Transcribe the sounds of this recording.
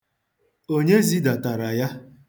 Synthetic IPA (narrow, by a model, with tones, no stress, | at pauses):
o˦ɲe˦zi˦da˨ta˨ɾa˨ja˦